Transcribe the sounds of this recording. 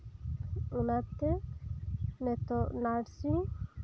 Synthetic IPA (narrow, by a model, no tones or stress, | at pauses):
unat̪ːe | net̪onaɾsi